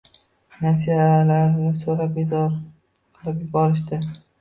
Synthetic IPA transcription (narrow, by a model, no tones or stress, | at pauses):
nasialaɾɪnɪsoɾap̚bezɒɾ | qʰɨlˠɪpjʊbɒɾɪʃd̪ɪ